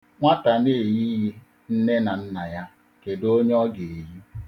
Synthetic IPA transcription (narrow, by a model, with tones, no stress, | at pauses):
ŋʷa˦ta˨ne˦˨ji˦ji˦ | n̩˦ne˦na˨n̩˦na˨ja˦ | ke˨do˦ɲ˦ɔ˦ɡe˨e˨ji˦